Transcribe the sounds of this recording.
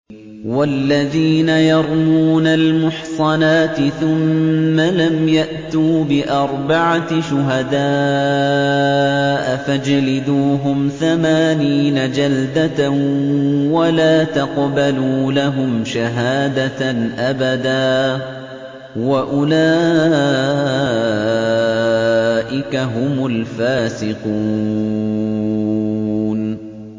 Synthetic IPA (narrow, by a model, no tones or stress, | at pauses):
walːaðiːnajɑɾˤmuːnalmʊħsˤɑnaːt̪ɪθʊmːalamjaʔt̪uːbɪʔɑɾˤbaʕaʃʊɦad̪aː | ʔafad͡ʒalɪd̪uːɦʊmθamaːniːnad͡ʒald̪a | walaːt̪ɑqbaluːlaɦʊmʃaɦaːd̪aʔabad̪aː | waʔʊlaː | ʔɪkaɦʊmʊlfaːsɪqu | n